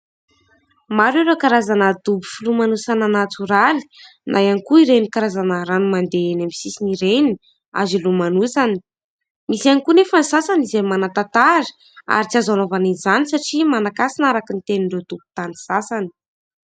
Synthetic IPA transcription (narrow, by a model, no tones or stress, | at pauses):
maɾeɾekaɾazanad̪ubu̥filumanusananat͡suɾali̥ | nʔajanikuiɾenikaɾazanəɾanumand̪eenamisisiniɾeni | a̰zilumanusani | misanikunefanisasanizemanat̪at̪aɾi̥ | a̰ɾit͡siazanovanizanisaʈ͡ʂimanakasinaɾakint̪eniɳɖ͡ʐed̪ubu̥t̪anisasani̥